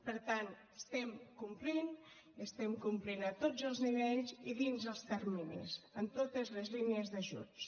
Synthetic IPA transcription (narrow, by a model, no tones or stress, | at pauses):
pəɾt̪an | əst̪ɛmkumplin | əst̪ɛmkumplinət̪od͡zəlˠzniβeʎziðinzəlˠst̪ərminḭzənt̪ot̪əzləzlineəzðəʒṵns